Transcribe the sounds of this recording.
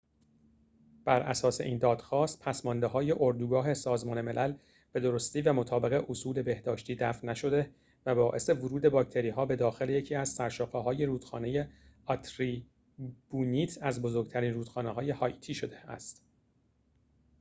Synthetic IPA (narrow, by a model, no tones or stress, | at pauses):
b̥æɾʔæsɒːse̞ʔiːnd̪ɒːd̪̥xɒːst̪̚pʰæsmɒnd̪eɦɒːje̞ʔoɾd̪uːɡɒːɦe̞sɒːzmɒːne̞me̞lʔæl | b̥e̞d̪o̞ɾost̪iːvæmot̪ʰɒːbeɣeʔosuːle̞be̞hd̪ɒːʃt̪iːd̪æfnːæʃo̞d̪e̞ | væbɒːʔe̞se̞voɾuːd̪e̞bɒːc̚t̪ʰe̞ɾiːɦɒːbe̞d̪ɒːxe̞leje̞cʰiːæzsæɾʃoqeɦɒːje̞ɾuːd̪̥xɒːne̞je | ɒt̪ʰɾiː | b̥uːniːt̪ʰæzbozo̞ɾɡɟ̚t̪ʰæɾiːnruːd̪̥xɒːneɦɒːje̞hɒːjt̪ʰiːʃo̞d̪eæ̰st̪